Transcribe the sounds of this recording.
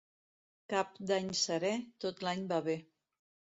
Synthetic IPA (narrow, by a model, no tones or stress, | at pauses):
kap̚d̪aɲsəɾɛt̪ot̪laɲbaβe